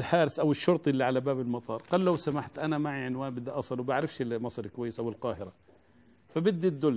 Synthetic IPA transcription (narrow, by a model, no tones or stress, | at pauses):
lħaːɾɪsʔawɪʃːʊɾt̪ˤʔɪlːiʕalabaːbɪlmɑt̪ˤɑːɾˤqalːawsamaħt̪ʔanamaʕiʕɪnwaːnbɪd̪ːaʔɑsˤɨlwbaʕɾɪfʃɪlmɑsˤɾkwajːɪsʔawɪlqɑːhɪɾa | fabɪd̪ːid̪ʊl